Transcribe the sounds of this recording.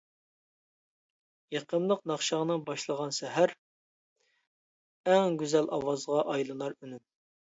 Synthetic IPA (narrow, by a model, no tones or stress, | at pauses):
jɑqənlˠəqnɑχʃɑʁnɨŋbɑʃlˠəʁɑnsɛɦæɾ | ɛŋɡʲyzɛlʔɑwɑzʁɑʔɑjlˠɨnˠɑɾynyn